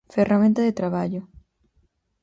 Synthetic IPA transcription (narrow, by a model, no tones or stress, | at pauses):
feramẽnt̪aðet̪ɾaβaʎo